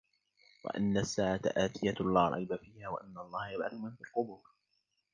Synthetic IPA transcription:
wa̰ʔa̰nːasːaːʕat̪aʔaːt̪ʰɪjalˤːɑːɾˤɑ̰jbafiːhaːwa̰ʔanːaʔɑlˤːɑːhajabʕaθʊmanfiːlqʊbʊɾ

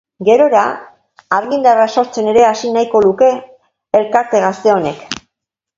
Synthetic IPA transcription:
ɡe̞ɾo̞ɾa | aɾɣind̪araso̞ɾt͡se̞ne̞ɾe̞asinajko̞luke̞ː | lkaɾt̪e̞ɣast̪eo̞ne̞k

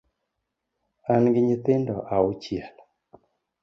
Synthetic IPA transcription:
anɡɪɲɪt̪ɪndɔʔaʊt͡ʃjɛl

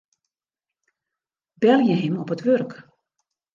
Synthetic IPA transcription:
bɛlˠjəɦɪmɔpətʋørk

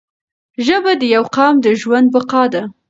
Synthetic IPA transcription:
ʒəbad̪əjawqɑmd̪əʒwand̪̚baqɑd̪a

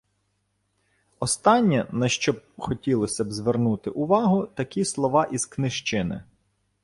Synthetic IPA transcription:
ɔst̪ɑnʲːɐnɐʃt͡ʃɔb̚xɔtʲilˠɔsʲɐbzʋernut̪ɪʔʊʋɑɦʊt̪ɐkʲislˠɔʋɑʔiz̥knɪʃt͡ʃɪnɪ̰

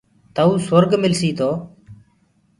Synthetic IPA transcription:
t̪əːuːsəɾɡmɪlsiːt̪ʰoː

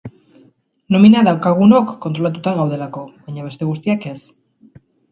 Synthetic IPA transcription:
no̞minaðawkaɣ̞uno̞kːo̞nt̪ɾo̞lat̪̬ut̪aɣawðe̞lako̞βajɲaβe̞st̪e̞ɣ̞us̬t̪iake̞s

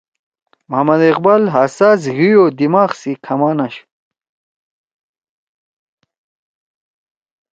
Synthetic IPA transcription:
mɦɐmɐd̪eqbɐlɦaːsaːzɣijoːd̪imaːχsikʰɐmaːnɐɕ

